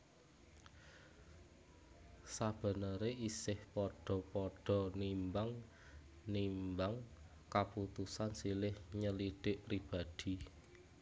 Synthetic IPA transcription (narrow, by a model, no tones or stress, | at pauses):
sab̥ə̤nəɾeʔisɪhpɔɖ̥ɔ̤pɔɖ̥ɔ̤nimbaŋ | nimbaŋ | kaput̪usansilɪhɲəliɖ̥ɪʔpɾib̥a̤d̪̥i̤